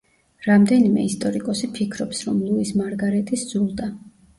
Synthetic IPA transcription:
ɾamd̪ɛnimɛ̰ist̪ʼɔɾikʼɔsipʰikʰɾɔpsɾɔmlˠuismaɾɡaɾɛt̪ʼisd̪z̥ulˠd̪a

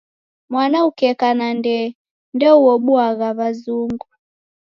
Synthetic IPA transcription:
mwanaukɛkanandɛ | ndɛuɔɓuaɣaβazuŋɡu

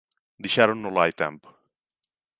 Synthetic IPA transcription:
d̪iʃaɾunːolaːjt̪ɛ̰mb

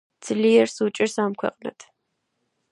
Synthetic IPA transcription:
t͡sʰɨɮijɛrsɨt͡ʃʼɪrsaːmkʷʰɐ̰qʼnɐ̰tʰ

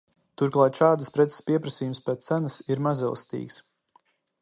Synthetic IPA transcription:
t̪uɾklˠaːt̪ʃaːd̪spɾɛt̪sə̥spʲiɛpɾɐsiːjumspɛt̪ːænɐsiɾmazḭlˠst̪ḭːks

